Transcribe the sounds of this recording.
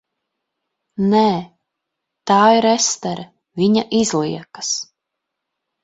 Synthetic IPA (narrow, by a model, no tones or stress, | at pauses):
nɛː | t̪aːiɾɛst̪ɛɾʔɛ | viɲaʔizlˠiɛkḁs